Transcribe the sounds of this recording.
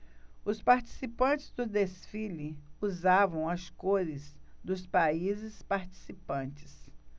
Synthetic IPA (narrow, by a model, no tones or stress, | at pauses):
ʊspaɾt͡ʃi̥sipɐ̃nt͡ʃɪ̥zd̪ʊd̪esfilɪuzavɐ̃w̃ɐskoɾɪzd̪ʊspaizɪspaɾt͡ʃi̥sipɐ̃t͡ʃɪ̥s